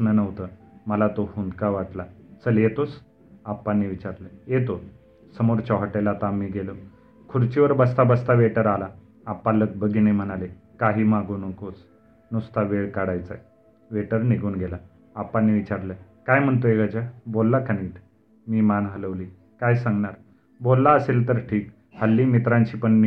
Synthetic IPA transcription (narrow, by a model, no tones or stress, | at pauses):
nənəʋt̪əməlat̪ohund̪kaʋaʈlat͡səlet̪os | apːanːiːʋit͡ɕaɾləjet̪o | səmoɾt͡ɕɔɦaʈelat̪amːiːɡelo | kʰuɽt͡ɕiʋəɾbəst̪abəst̪aʋeʈəɾalaː | pːalək̚bəɡinem̤ənale | kaɦiːmaɡuːnəkos | nust̪aʋeɭkaɽajt͡sa̰j | ʋeʈəɾniɡʱuːnɡʱelaː | pːanːiːʋit͡ɕaɾləkajm̤əɳt̪̬oeɡad͡ʑabolːakʰəniːʈ̪ | miːmanɦələʋliː | kajsãŋɡɳaɾ | bolːaəselt̪əɾʈʰiːk | həlːiːmit̪ɾãɲt͡ɕiːpəɳːi